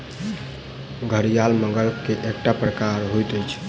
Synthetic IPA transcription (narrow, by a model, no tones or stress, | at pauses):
ɡʱəɾijalmə̃ŋɡəlkeʔek̚ʈapɾəkaɾɦojt̪əjt͡ʃʰ